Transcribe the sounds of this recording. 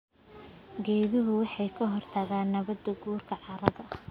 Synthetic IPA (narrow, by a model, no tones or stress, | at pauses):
ɡɛːðɪɦʊwɑħɑjkʰɐɦɔrt̪ʰɐɣaːnːɐβɐd̪ɐɡuːrkʰɐʕɑɾɐðɐ